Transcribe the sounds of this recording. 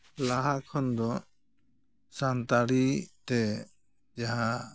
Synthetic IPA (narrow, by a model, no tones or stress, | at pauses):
laɦakʰɔnd̪ɔ | sant̪aɽit̪ɛ | d͡ʒaɦa